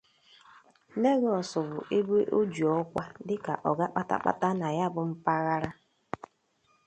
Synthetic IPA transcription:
ne˦ɣɔ˨sɔ˨bʊ˨ʔe˦be˦ʔo˦d͡ʒu˨ɔ˦kʷa˦dɪ˦ka̰˨ʔɔ˨ɡa˦k͡pa˦ta̰˦k͡pa̰˦ta˦na˨ja˦bʊ˨m̩˦pa˦ɣa˦ɾa˦

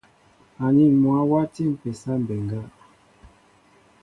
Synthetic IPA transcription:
a˨ni˦˨mwa˨˦wa˦ti˦˨m̩˨pɛ˨sa˦m̩˨bɛ˨ŋɡa˦

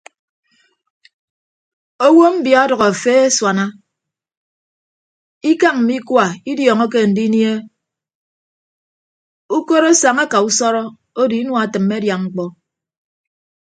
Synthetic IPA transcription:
o˦wo˦m̩˦bja˨ɔ˦dʌ˨ɣɔ˨a˨feː˦e˦swa˨na˦ | i˦ka˦ŋm̩˨mi˦kwa˨i˦djɔː˨ŋɔ˦k̬e˦n̩˨di˦nje˦ | u˦ko˦ɾo˦sa˨ŋa˦ka˨u˦sɔ˦ɾɔ˦ | o˦di˨i˦nwa˨tɨ˨mːe˦dja˨ŋ͡m̩˦k͡pɔ˦

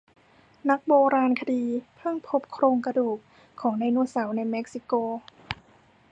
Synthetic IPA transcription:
na˦˥k̚boː˧ɾaː˧nkʰa˧diː˧pʰɯ˥˩ŋpʰo˦˥p̚kʰɾoː˧ŋka˧duː˨˩k̚ | kʰːɔː˩˦ŋna˧˩jnu˧˥˩əsa˩˦wna˧jme˦˥k̚si˧koː˧

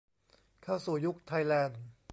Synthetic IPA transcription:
kʰa˥˩wsuː˨˩ju˦˥k̚t̪ʰa˧jlɛː˧n

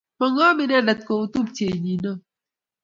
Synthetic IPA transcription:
mɔ˨ŋa˦mi˨n˦a˦˨la˨t̚ko˨u˦tu˦p̚te˨ɲi˨nɔ˦˨

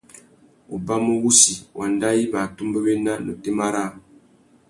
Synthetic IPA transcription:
u˨ba˦mə˦wu˦si˨wʔa˨nda˦ji˦ba˨tu˦mbə˦be˦na˦nə̰˨te˦ma˦ɾa˦

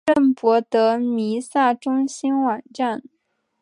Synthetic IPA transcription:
ə˥˩npwɔ˧˥t̪ɤ˧˥mi˧˥sa˥˩ʈ͡ʂʊ˥ŋɕi˥nwɑ˨˩ŋʈ͡ʂa˥˩n

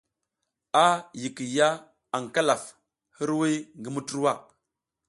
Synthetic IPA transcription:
a˦ji˨ki˨ja˦ | a˨ŋ˨ka˦la˨f | hi˦ɾwi˦ŋɡə˦mu˦tu˦ɾwa˦˨

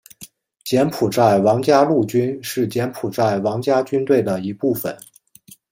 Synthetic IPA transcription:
t͡ɕjɛ˧˥npʰu˨˩t͡sa˥˩ɪwɑ˧˥ŋt͡ɕja˥lu˥˩t͡ɕy˥nʂɻ̩˥˩t͡ɕjɛ˧˥npʰu˨˩t͡sa˥˩ɪwɑ˧˥ŋt͡ɕja˥t͡ɕy˥nt̪we˥˩ɪd̪ə˩i˧˥pu˥˩fə̰˨˩˦n

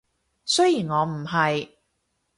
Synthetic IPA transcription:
sɵ˥ɥjiː˨˩nŋɔː˨˧m̩˨˩ɦɐ˨j

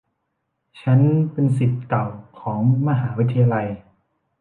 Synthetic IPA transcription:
t͡ɕʰa˦˥npe˧nsi˨˩t̪̚ka˨˩wkʰɔː˩˦ŋma˧ɦaː˩˦wi˦t̪ʰːa˧ja˧la˧j

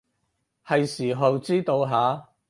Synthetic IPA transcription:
hɐ˨jsiː˨˩ɦɐ˨wt͡siː˥t̪o˧wɦaː˨˥

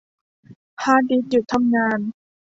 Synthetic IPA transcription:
pʰaː˧˩diː˧˦t͡ɕu˨˩t̪ʰa˧mŋaː˧n

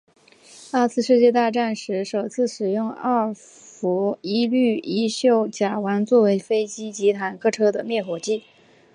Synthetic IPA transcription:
a˥˧t͡sʰɹ̩˥˧ʂɻ̩˥˧t͡ɕjɛ˥˧t̪̬a˥˧ʈ͡ʂa˥˩nʂɻ̩˧˥ʂo˨˩ʊt͡sʰɹ̩˥˩ʂɻ̩˨˩jʊ˥˧ŋa˥˩ | fu˧˥i˥ly˥˩i˧˥ɕjo˥˩ʊt͡ɕja˨˩wa˧˥nt͡swɔ˥˩we˧˥ɪfe˥ɪt͡ɕi˥t͡ɕi˧˥t̪ʰa˨˩nkʰɤ˥˩ʈ͡ʂʰɤ˥d̪ə˨mjɛ˥˩xwɔ˧˥t͡ɕi˥˩

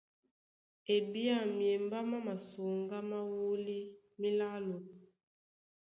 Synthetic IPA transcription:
e˨bi˦a˦˨mje˨mba˦ma˦ma˨so˨ŋɡa˦ma˦wu˦li˦ | mi˦la˦lɔ˨

